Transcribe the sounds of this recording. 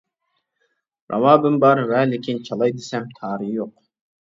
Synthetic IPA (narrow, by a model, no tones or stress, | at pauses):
ɾʔɑ̰vɑːbɯmbɑɾvæːlikʲint͡ʃʰɑlˠɑjd̪esæmt̪ʰɑːɾijoq